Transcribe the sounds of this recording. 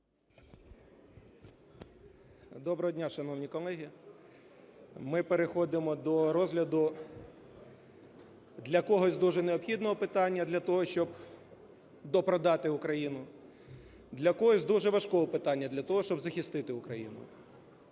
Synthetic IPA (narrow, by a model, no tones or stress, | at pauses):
d̪ɔbɾɔɦɔdʲnʲaʃɐnɔwnʲikɔlˠɛɦʲi | mɪpeɾexɔd̪ɪmɔd̪ɔɾɔzɦlʲɐd̪ʊ | d̪lʲɐkɔɦɔsʲd̪uʒɛneɔpxʲid̪nɔɦɔpɪt̪ɑnʲːɐd̪lʲɐt̪ɔɦɔʃt͡ʃɔb | d̪ɔpɾɔd̪ɑt̪ɪʊkɾɐjinʊ | d̪lʲɐkɔɦɔsʲd̪uʒɛʋɐʃkɔɦɔpɪt̪ɑnʲːɐd̪lʲɐt̪ɔɦɔʃt͡ʃɔbzɐxʲist̪ɪt̪ɪʊkɾɐjḭnʊ̰